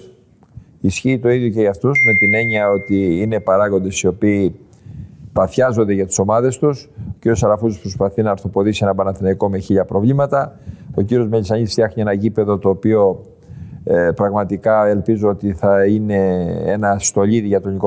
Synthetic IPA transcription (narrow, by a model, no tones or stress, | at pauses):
isçiːt̪o̞iðjoceɐft̪osnepime̞ɲiɐo̞t̪iine̞pɐɾɐɣo̞nd̪e̞sio̞piː | pɐθçɐzo̞nd̪e̞ʝɐt̪i̥so̞mɐðe̞st̪usciɾosɐlɐfut̪u̥spɾospɐθinɐːɾθo̞po̞ðisienɐbɐnɐθinɐiko̞meçiʎɐpɾo̞vlimɐt̪ɐo̞ciɾio̞zmeʎisɐɲist̪jɐxnie̞nɐʝipe̞ðo̞t̪o̞ːpio̞ | pɾɐɣmɐt̪ikɐe̞lpizoot̪iθɐine̞enɐst̪o̞ʎiðiʝɐt̪o̞niko